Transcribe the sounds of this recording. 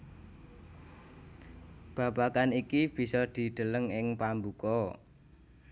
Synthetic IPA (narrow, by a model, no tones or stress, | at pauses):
b̥a̤bakanikib̥i̤sɔd̪̥i̤d̪̥ə̤ləŋɪŋpambukɔ